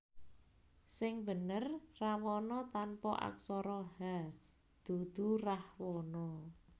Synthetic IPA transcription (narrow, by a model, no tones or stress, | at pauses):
sɪŋbə̤nərrawɔnɔt̪anpɔ̰ʔa̰ksɔɾɔha | d̪̥ṳd̪̥ṳrahwɔnɔ